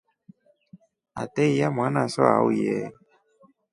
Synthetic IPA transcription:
a̰t̪ɛijam̃ãnãsɔ̰a̰wujɛ

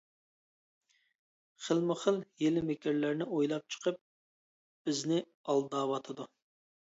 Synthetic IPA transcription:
χəlmɨχəljelɪmɪkʲʰɪɾlæɾnɪojlˠɑp̚t͡ʃʰə̥qʰəp̚ | b̥ɪznɪ | ɑlˠd̪ɑːwɑt̪ʰɨd̪u

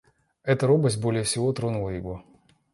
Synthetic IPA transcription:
ɛt̪əɾobəsʲt̚ʲbo̞lʲɪjəfsʲɪvot̪ɾonʊlˠəiɡ̪ˠo

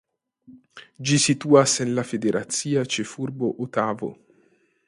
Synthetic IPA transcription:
d͡ʒisit̪uːasɛnlafed̪eɾʔat̪siːat͡ʃefurboʔot̪aːvo̰

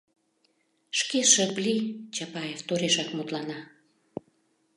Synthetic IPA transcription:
ʃkeʃə̆plit͡ɕɑpɑjeft̪oɾeʃɑkmut̪lɑnɑ

